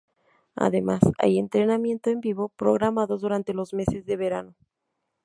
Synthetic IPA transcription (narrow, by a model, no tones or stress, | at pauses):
a̰ðe̞masa̰jent̪ɾe̞namje̞nt̪oe̞mbiβo̞pɾo̞ɣɾamaðo̞zðuɾant̪e̞lo̞zme̞se̞zðe̞βe̞ɾano̞